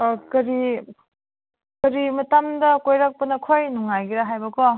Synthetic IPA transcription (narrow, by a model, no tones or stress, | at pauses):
kɐɾi | kɐɾimɐtamdɐkojɾak̚pɐnɐkʰojnuŋajɡiɾaɦajbɐkɔ